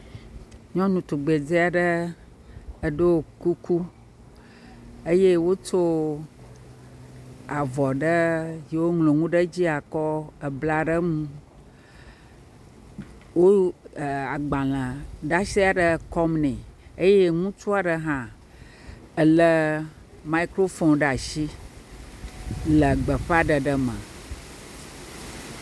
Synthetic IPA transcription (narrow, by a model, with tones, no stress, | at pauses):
ɲɔ̃˦nũ˨t̪u˨ɡ͡be˨d͡ze˦a˨ɖə˦ | ə˨ɖo˦o˨ku˦ku˦ | ə˦je˦wo˦t͡ʃo˦ | a˨vɔ˨ɖə˦ji˨wo˦ŋlo˨ŋũ˦ɖə˦d͡ʑi˦a˨kɔ˦ə˨bla˨ɖə˦ŋũ˦ | wo˦˨ | a˨ɡ͡bã˨lə̃˨ɖa˦ʃi˦a˨ɖə˦kɔ˦mnɛ̃˨ə˦je˦ŋũ˦t͡ʃu˦a˨ɖə˨ɦã˦ | ə˨lə˦ | ma˨˦i˦kɾo˦fo˦nɖa˨ʃi˦ | lə˨ɡ͡bə˨ɸa˦ɖə˨ɖə˦mã̰˨